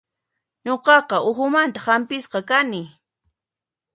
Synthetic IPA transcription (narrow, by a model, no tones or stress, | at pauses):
ɲoqɑqɑʊxʊmant̪ahampɪsqɑkanɪ